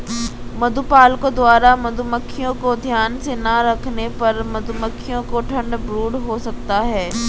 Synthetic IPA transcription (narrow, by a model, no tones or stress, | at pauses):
mɐd̪ʱuːpaːlkod̪ʊaːɾamɐd̪ʱuməkʰːijõkod̪ʱjaːnsenɐɾɐkʰnepɐɾmɐd̪uməkʰːijõkoʈʰɐ̃ɳɖbɾuːɽɦosɐk̚t̪aɦɛː